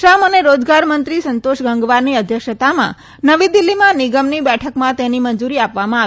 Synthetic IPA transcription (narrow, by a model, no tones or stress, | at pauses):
ʃaməneɾod͡ʒɡaɾmənt̪ɾisənt̪oʃɡəŋɡʋaɾniəd̪ʱjəkʃət̪amã̰ | nəʋid̪ilːimãnɪɡəmnibɛʈʰəkmãt̪enimənd͡ʒuɾiapʋamãa